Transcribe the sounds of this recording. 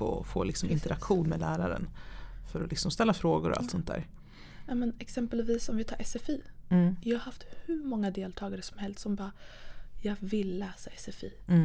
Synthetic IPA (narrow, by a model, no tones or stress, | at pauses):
ɔ̰fo̰ːlɪksɔmʔɪnt̪əɾakɧuːnmɛːlæːɾaɾə̰nfœɾɔlɪksɔmst̪ɛlːafɾoːɡʊɾɔa̰lt̪sɔnt̪d̪æ̰ːɾ | jɑːmɛnɛksɛmpəlviːsɔmvɪt̪ʰɑːʔɛsɛfiːjɑhaɾhaft̪hɵ̟ɾmɔŋːad̪eːlt̪ʰɑːɡaɾəsɔmhɛlst̪sɔmbɑːjɑːɡvɪlːɛːsaɛsɛfiː